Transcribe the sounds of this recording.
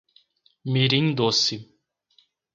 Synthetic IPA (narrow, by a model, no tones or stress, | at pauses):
miɾiŋd̪osi